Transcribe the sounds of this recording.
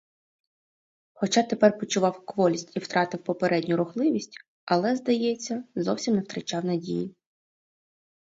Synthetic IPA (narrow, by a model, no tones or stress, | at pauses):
xɔt͡ʃɑt̪e̞pɛrpɔt͡ʃʊʋɑwkʋɔlʲisʲtʲiwt̪ɾɑt̪ɪwpɔpeɾʔɛdʲnʲʊɾʊxlˠɪʋʲisʲtʲ | ɐlˠɛzd̪ɐjɛt͡sʲːɐzɔwsʲimnɛwt̪ɾɐt͡ʃɑwnɐdʲḭji